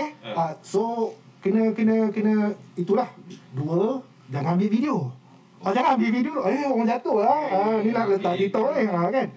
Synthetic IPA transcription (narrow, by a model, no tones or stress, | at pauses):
asokənəkənəkənəit̪ulahduə | d͡ʒaŋãmbɪʔfidio | ʔad͡ʒaŋaambiʔvidioʔeowaŋd͡ʒat̪oʔlaanilahlət̪aʔk̪it̪oʔehakan